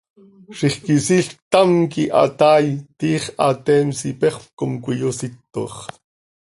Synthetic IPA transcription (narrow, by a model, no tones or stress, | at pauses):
ʃiχkisiɬt̪ɑmkiʔɑ̰t̪ɑːjt̪iːχʔɑt̪ɛːmsipɛχpkomkʷijosit̪ːo̰χ